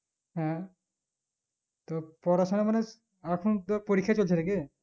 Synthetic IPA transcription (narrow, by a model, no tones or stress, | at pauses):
ɦɛ̃ | t̪opɔɾaʃonamane | akʰunt̪opoɾikʰːjat͡ɕolt͡ɕʰenake